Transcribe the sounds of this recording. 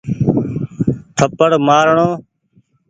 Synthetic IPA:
t̪ʰəpəɽmaːɾɳoː

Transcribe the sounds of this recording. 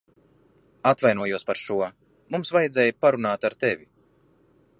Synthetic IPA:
at̪vajnuɔjuɔspaɾʃuɔ | mumsvajɛd̪zʲɛːjpaɾunaːt̪aɾt̪ɛvʲi

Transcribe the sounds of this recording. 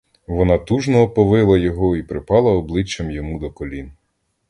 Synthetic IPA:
ʋɔnɑt̪uʒnɔɔpɔʋɪlˠɐjɔɦɔipɾɪpɑlˠɐɔblˠɪt͡ʃːɐmjɔmud̪ɔkɔlʲin

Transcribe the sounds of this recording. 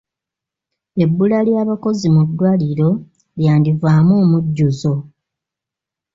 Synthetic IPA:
e̞bːulaljaːβako̞zimudːwaliɾo̞ | ljaːndivaːmoːmuɟːuzo̞

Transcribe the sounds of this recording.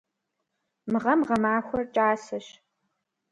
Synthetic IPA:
mɨʁɐmʁɐmaːxʷɔrt͡ʃʼaːsɐɕ

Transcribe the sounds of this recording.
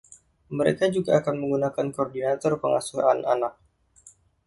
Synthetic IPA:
məɾekad͡ʒuɡaːkanməŋɡunakankordinat̪ɔrpəŋa̰suɦanʔanak̚

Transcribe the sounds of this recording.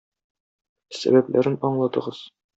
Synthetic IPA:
sæ̰bæplʔæɾɘnɒɴlˠɑt̪ɤ̆ʁɤz̥

